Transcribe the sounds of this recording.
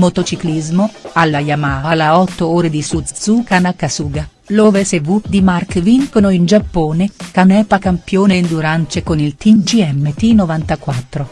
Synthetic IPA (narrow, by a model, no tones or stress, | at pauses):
mot̪ot͡ʃiklizmoalːajamaːalaɔt̪ːooːɾed̪isusukanakasuːɡa | lovesevud̪imarkviŋkonoind͡ʒapːoːnekanɛːpakampjoːnend̪uɾant͡ʃekonilt̪imd͡ʒiɛmːet̪inovant̪akwat̪ːɾo